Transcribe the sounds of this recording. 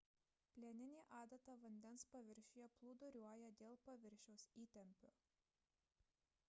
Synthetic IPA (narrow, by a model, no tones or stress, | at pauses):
pʲlʲeːnʲɪnʲiːʔɑːd̪ɐt̪ɐʋɐnʲd̪ʲɛnspɐʋʲɪɾʲʃʲʊːjɛplˠuːd̪ʊɾʲuɔjɛd̪ʲeːlˠpɐʋʲɪɾʲʃʲɛʊsiːt̪ʲɛmʲpʲoː